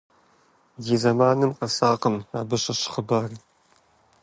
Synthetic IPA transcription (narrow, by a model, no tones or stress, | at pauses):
ɡiːzɐmaːnɨmqɐsaːqəmaːbɨɕɐɕχəbaːr